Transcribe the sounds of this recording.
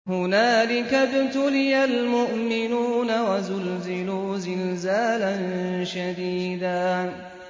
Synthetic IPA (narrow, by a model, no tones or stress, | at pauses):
hʊnaːlɪkabt̪ʊlɪjalmʊʔmɪnuːnawazʊlzɪluːzɪlzaːlanʃad̪iːd̪aː